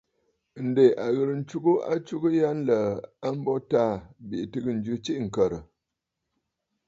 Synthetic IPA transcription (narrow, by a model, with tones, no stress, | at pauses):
n̩˨de˨ʔa˨ɣə˨ɾn̩˨˦t͡ʃu˦ɡu˦a̰˦t͡ʃu˦ɡɨ˦ja˦n˦lə˨a˦m̩˦bɔ˦ta˦˨bi˨ʔtɨ˦ɡɨ˦˨n̩˨d͡ʒʉ˦t͡ʃi˦ʔŋ̩˨kə˨ɾə˨